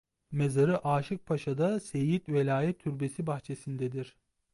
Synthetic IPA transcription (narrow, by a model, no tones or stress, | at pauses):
mezaɾɯʔaːʃɯk̚pʰaʃad̪asejit̪velʲaːjɛt̪ʰːyɾbe̞sibaxt͡ʃʰe̞sind̪ɛd̪iɾ̥